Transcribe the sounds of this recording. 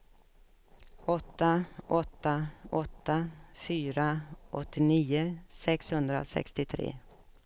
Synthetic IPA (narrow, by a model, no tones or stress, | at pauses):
ɔt̪ːaʔɔt̪ːaʔɔt̪ːafyːɾaʔɔt̪ːɪniːʊsɛkshɵnd̪ɾa̰sɛ̰kst̪ɪt̪ʰɾḛː